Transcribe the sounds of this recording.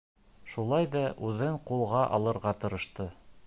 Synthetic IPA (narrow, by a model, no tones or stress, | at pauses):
ʃulˠɑjðɑʔʉðɘɴqulˠʁɑʔɑ̰lˠɤ̆ɾʁɑt̪ɤ̆ɾɤ̆ʃt̪ɤ